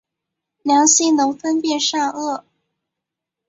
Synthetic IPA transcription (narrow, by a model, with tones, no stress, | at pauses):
ljɑ˧˥ŋɕi˥˩nʊ˧˥ŋfə˥npjɛ˥˧nʂa˥˧ɤ˥˩